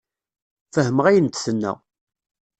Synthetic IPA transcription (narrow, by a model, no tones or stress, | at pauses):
fəhəməʁæjənt̪θənːæ̰